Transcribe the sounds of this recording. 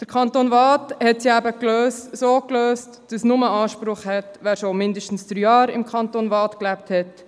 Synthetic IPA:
d̪̥əɾkʰɑntonvɑːthɛtsiæbəkløːstsoːkløːstd̥ɑsnʊməɑːʃpɾʊχhɛtʋæːɾʃomɪndəʃtn̩sd̥̪ɾyːɑːɾɪ̰mkʰɑnt̪oːnvɑːtklæp̚thɛt

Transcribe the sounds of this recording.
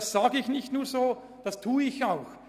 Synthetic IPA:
sz̥aːɡəɪçnɪçtnuːɐzoː | d̥ɑstʰuːɪçaʊx

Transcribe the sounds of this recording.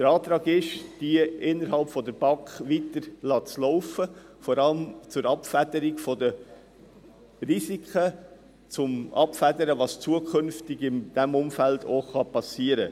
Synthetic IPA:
d̪̥əɾɑːt̪ɾɑːɡɪʃd̥iəɪnːəɾɦɑlpfɔdəɾb̥ɑkχʋitəɾlɑːt͡slɔʊfə | fɔɾɑləmt͡sʊɾɑpfædəɾikfɔdə | rizikʰχə | t͡sʊmɑ̰pfædəɾəʋɑst͡suəkʰɵnftɪɡɪmd̥ɛmʊmfældoχɑpɑsiəɾə

